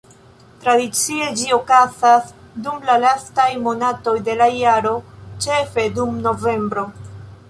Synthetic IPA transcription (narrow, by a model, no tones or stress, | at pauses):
tɾadit͡sie̞d͡ʒio̞kazas | dumlalastajmo̞nato̞jde̞lajaɾo̞t͡ʃe̞fe̞dumno̞ve̞mbɾo̞